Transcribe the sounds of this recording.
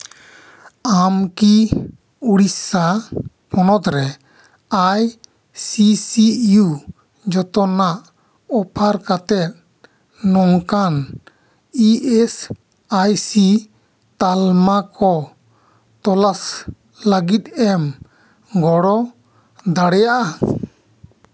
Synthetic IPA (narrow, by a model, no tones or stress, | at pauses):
amki | uɽisa | pʰɔnɔt̪ɾɛ | aj | sisiju | d͡ʒɔt̪ɔnaʔ | ɔpʰaɾkat̪ɛt̪̚ | nːɔŋkan | iɛs | ajsi | t̪almakʰɔ | t̪ɔlas | ləɡit̪̚ɛm | ɡɔɽɔ | d̪aɽɛjaʔa